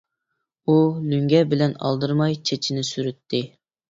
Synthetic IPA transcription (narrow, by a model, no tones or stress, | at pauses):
ulyŋɡʲɛbɪlɛnɑ̰lˠd̪ɨɾmɑjt͡ʃʰet͡ʃʰinɪsyɾyt̪ʰːɪ